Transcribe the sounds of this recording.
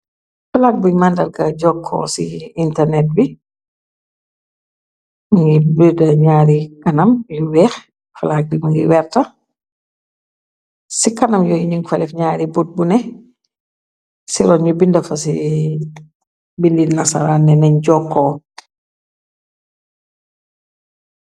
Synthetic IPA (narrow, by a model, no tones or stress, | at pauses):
falaːk̚bujmandɐlɡɐɟɔːkʰːɔ̰sḭintɛɾnɛt̚bi | muŋɡibidɐɲaːɾikɐnɐmjuwɛːx | falak̚bimuŋɡiwɛːɾtɐ | sikɐnɐmjɔjuɲiŋɡfɐlɛfɲaːɾibut̚bunɛ | siɾɔnɲubindɐfɐsi | bilːinɐsa̰ɾaːnɛnɛɲɟɔkʰːɔ